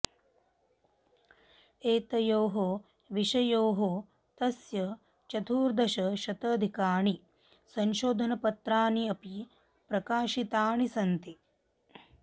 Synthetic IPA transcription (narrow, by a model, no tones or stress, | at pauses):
eːt̪ɐjoːɦo | ʋiʃɐjoːɦo | t̪ɐsjɐ | t͡ʃɐt̪ʰuːɾd̪ɐʃɐʃɐt̪ɐːd̪ʱikaːɳi | sɐnʃoːd̪ʱɐnɐpɐt̪ɾaːniɐpi | pɾɐkaːʃit̪aːɳisɐnt̪i